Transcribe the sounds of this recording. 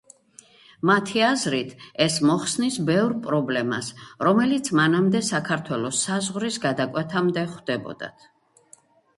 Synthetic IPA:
mat̪ʰiazɾit̪ʰɛsmɔχsnisbɛvɾpʼɾɔblɛma̰sɾɔmɛlit̪sʰmanamd̪ɛsakʰaɾt̪ʰwɛlˠɔsazʁɾisɡad̪akʼwɛt̪ʰamd̪ɛχd̪̥ɛbɔ̰d̪a̰t̪ʰ

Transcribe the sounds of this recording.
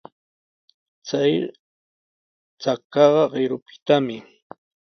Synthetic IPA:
t͡saj | t͡sakːɑɢɑɢɪɾʊpɪ̥t̪amɪ

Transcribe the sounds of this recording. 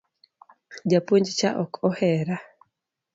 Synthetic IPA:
d͡ʒapoɲd͡ʒt͡ʃa̰ʔɔkʰɔhɛɾa

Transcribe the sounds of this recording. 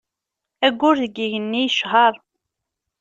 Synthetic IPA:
æɡʷːʊɾðəɡiʝənːijʃʁɑɾˤ

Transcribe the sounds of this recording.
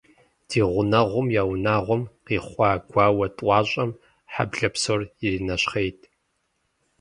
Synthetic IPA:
d̥iːʁʷʊnɐʁʷʊmjaːwnaːʁʷʊmqiːχʷɑːɡʷɑːwɐtʼʷɑːɕʼɐm | ħa̰bɮɐpsorɪrinɐɕχejtʼʰ

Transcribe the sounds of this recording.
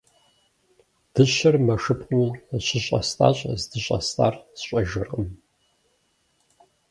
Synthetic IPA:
d̥ɨɕɐrmɐʂɨpʼqʼuɕɪɕʼɐ̰stʰʼa̰ːɕʼzdɨɕʼɐ̰stʰʼa̰ːrzɕʼɐʒɨrqʼəm

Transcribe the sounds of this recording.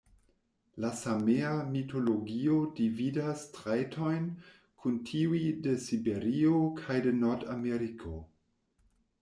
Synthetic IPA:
lasameamitʰo̞loɡio̞dividastɾajtʰo̞jn | kʰuntʰiwide̞sibeɾiokʰajdenoɾdameɾikʰo̞

